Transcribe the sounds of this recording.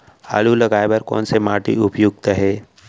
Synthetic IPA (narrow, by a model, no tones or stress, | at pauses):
a̰ɭuləɡajbəɾko̰nsemaʈḭupjuɡt̪əɦe